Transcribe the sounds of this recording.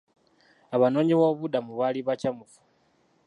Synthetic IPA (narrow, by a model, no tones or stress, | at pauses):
aβano̞ːɲiwoβudamuβaliβacamufu̥